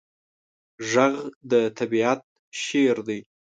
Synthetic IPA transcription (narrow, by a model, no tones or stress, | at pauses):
ʒaɣd̪ət̪ʰabiat̪̚ | ʃeɾd̪əj